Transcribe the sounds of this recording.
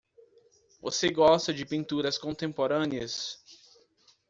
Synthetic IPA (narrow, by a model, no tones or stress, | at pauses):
vo̰seɡɔst̪ɐd͡ʒɪpĩnt̪uɾɐskõnt̪ẽmpoɾɐ̃niɐs